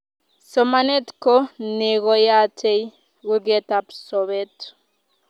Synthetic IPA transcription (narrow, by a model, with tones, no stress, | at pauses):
sɔmanɛ˦tkɔ˦ne˨ɣɔ˨ja˦tʰe˦j | ɣu˦ɡɛ˦tapsɔβɛt